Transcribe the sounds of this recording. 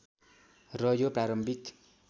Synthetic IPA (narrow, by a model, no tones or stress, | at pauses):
rʌjopraɾʌmbʱik